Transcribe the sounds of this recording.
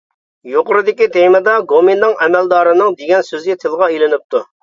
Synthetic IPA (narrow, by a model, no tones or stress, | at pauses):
joqʊɾɨd̪ɪkʲit̪ʰejmɨd̪ɑɡominːɨŋɛmæld̪ɑːɾɨnɨŋd̪eɡʲɛnsøzɡʲit̪ʰɪlˠʁɑelɪnɪp̚t̪ʰu